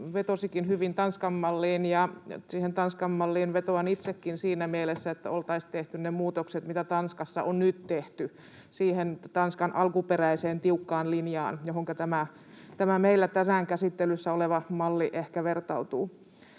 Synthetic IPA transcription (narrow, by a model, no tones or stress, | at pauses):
ʋet̪osikinhyʋint̪ɑnskɑmːɑlːiːnjɑsiːhent̪ɑnskɑmːɑlːiːnʋet̪oɑnit̪sekːinsiːnæmielesːæet̪ːæ̰olt̪ɑist̪eht̪ynnemuːt̪okset̪mit̪æt̪ɑnskɑsːɑ̰ʔonnyt̪t̪eht̪y | siːhent̪ɑnskɑnʔɑlkuperæiseːnt̪iukːɑːnlinjɑ̰ːnjohoŋkɑt̪æmæ | t̪æmæmeilːæt̪æsæːŋkæsit̪ːelysːæoleʋɑmɑlːiʔehkæʋert̪ɑut̪uː